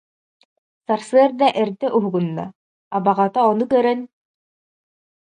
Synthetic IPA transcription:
saɾsɯɐɾd̪aʔɛɾd̪ɛʔuɦuɡunːa̰ː | baʁat̪aɔnukœɾɛn

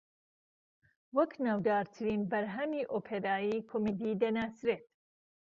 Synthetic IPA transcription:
wɐknawd̪ɑːɾt̪ʰɨɾiːnbɐɾɦɐmiːʔopʰeɾaːjiːkʰomed̪iːd̪ɐnaːsɾeːt̪

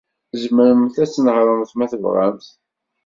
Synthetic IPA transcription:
zməɾəmθæt͡sːnəʁɾˤənθmæθəvʁæ̰mθ

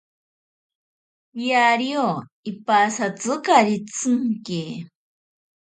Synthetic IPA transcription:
jaɾio | ipasat͡sɨkaɾit͡sɨŋke

